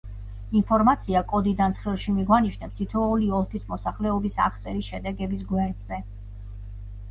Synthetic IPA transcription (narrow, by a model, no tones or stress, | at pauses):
inpʰɔɾmat̪sʰiakʼɔd̪id̪ansʰχilˠʃimiɡwaniʃnɛpst̪ʰit̪ʰɔuliɔlˠp̪ʰismɔsaχlɛɔbisa̰χt̪sʼɛɾisʃɛd̪ɛɡɛbis̬ɡwɛɾd̪z̥ɛ